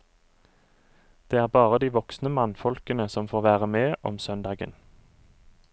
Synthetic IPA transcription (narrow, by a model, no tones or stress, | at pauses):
d̪̥eːæːʁbɑːʁəd̪iːʋɔksnəmɑnfɔlkənəsɔmfoːʁʋæːʁəmeːʔɔmsœnd̪ɑːɡə̰n